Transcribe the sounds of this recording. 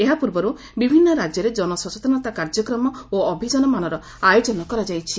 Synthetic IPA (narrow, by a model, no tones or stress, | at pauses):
eɦapuɾbɔɾu | bibʱinːɔɾad͡ʒjɔɾed͡ʒɔnɔsɔt͡ʃɔt̪ɔnɔt̪akaɾd͡ʒɔkɾɔmɔoːbʱid͡ʒɔnɔmanɔɾɔ | ajod͡ʒɔnɔkɔɾad͡ʒajt͡ʃʰi